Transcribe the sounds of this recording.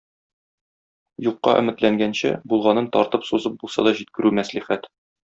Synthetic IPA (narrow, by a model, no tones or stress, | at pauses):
juqːɑ̰ʔɘ̰̆mɘ̆t̪læŋɡænɕɘ̰bulˠʁɑnɤnt̪ɒɾt̪ɤpsuzɤp̚bulˠsɑ̰d̪ɒʑit̪̚kɘ̆ɾʉmæsliχæt̪